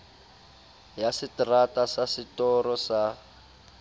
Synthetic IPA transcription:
jasitratasasitɔɾɔsa

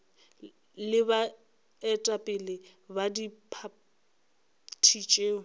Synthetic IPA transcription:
lɪba | ɛtʼapʼɪlɪ | badipʰa | tʰit͡ʃʼeːʊ

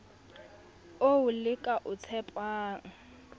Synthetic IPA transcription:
oʊlɪkʼaʔʊt͡sʰɛpʼwaːŋ̩

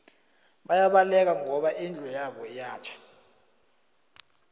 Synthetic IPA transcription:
ɓajaɓalɛk̬aŋɔɓaʔind͡ɮʱɔjaɓɔjaːt͡ʃʰḁ

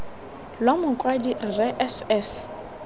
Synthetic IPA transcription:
lwamʊkʼwadirrɛʔɛsɛs

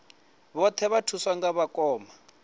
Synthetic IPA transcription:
βɔt̪ʰɛβatʰuswaŋɡaβakɔːma

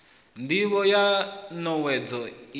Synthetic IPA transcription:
ndiβɔjanɔwɛd͡zɔ

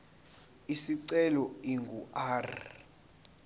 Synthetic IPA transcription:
isiǀɛlɔiŋɡuʔaːr

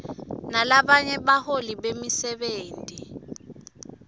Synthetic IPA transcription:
nalaɓaɲɛɓaholiɓemisɛɓeːntʼi

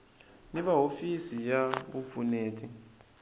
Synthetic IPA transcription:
niβaɦofisijaβufuneːtʰi

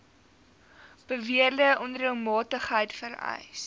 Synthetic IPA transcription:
b̥əviərdəʔɔnrilˠmɑːtəχɦəjtfəɾɛ̰js

